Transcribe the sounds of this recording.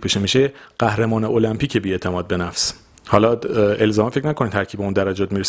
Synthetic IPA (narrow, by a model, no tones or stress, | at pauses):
pʰeʃemiʃeɢ̥æhɾemɒːneolæmpʰiːcʰebiːet̪ʰemɒːd̪̚be̞næfs | hɒːlɒe̞lzɒːmefe̞cʰnækʰoniːd̪t̪ʰæɾcʰibeund̪æɾæd͡ʒɒːt̪̚miːɾes